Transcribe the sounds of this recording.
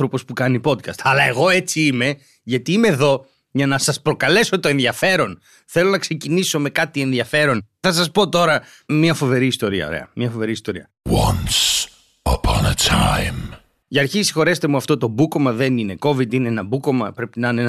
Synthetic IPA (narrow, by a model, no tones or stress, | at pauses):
θɾo̞po̞spukɐnipo̞d̪kɐst̪ɐlɐe̞ɣo̞e̞t͡siime̞ | ʝɐt̪iimeðo̞ | ʝɐnɐsɐspɾo̞kɐle̞so̞t̪o̞enðiɐfe̞ɾo̞n | θelo̞nɐkse̞ciniso̞me̞kɐt̪ie̞nðiɐfe̞ɾo̞n | θɐs̬ɐspo̞t̪o̞ɾɐ | miɐfove̞ɾiːst̪o̞ɾiɐ̰o̰ɾḛɐ̰mɲɐfo̞ve̞ɾiːst̪o̞ɾiɐ | wɐ̃ns | ə̰pʰɑ̰̃nə̰tʰãɪ̃m | ʝɐɾçisi̥xo̞ɾe̞st̪e̞muɐft̪o̞t̪o̞buko̞mɐðenine̞ko̞vid̪ineenɐbuko̞mɐpɾe̞pinɐnen